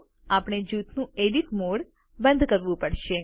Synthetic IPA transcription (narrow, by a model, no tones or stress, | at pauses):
apɳ̃ed͡ʒut̪nũeɖiʈmoɽ | bə̃nd̪ʱkəɾʋũpəɽʃe